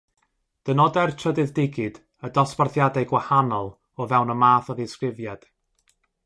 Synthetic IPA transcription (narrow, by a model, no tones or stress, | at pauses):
d̥ənɔdɛrtʰədɨðdɪɡɨd̥ | ədɔsparθjadajɡwahanɔlˠ | ɔvɛwnəmaːθɔviskrɪvjad̥